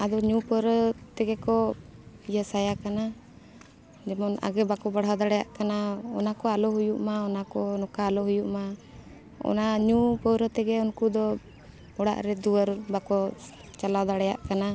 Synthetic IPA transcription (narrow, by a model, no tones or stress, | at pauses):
ad̪ɔɲupəɾət̪ɛɡɛkɔ | ijəsajakana | d͡ʒɛmɔna̰ɡɛbakɔbaɽ̤awd̪aɽɛjaʔkanaɔ̰nakɔalɔɦujuʔmaɔnakɔnɔkaːlɔɦujuʔma | ɔ̰naɲupəɾət̪ɛɡɛɔnkud̪ɔ | ɔɽa̰ʔɾɛd̪uəɾbakɔ | t͡ʃalad̪aɽɛja̰ʔkana